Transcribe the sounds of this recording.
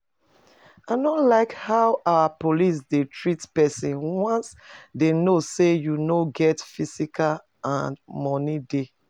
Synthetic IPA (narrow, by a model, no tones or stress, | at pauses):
anɔlaɪkhaʊʔawapolis̬detʰɹitpɛsĩnwɔ̃nsdenosejunoɡɛtfisikʰal | ãnmɔnide